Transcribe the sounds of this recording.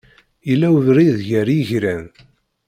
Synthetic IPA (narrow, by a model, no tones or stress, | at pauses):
jəlːæwəvɾiðʝæɾjʝɾæn